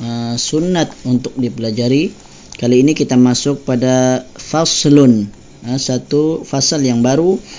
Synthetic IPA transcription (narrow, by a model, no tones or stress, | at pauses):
əsunːat̪̚unt̪ʊk̚dipəlad͡ʒaɾi | kaliːnikit̪amasʊk̚padafaslʊn | əsat̪ufasaljaŋbaɾu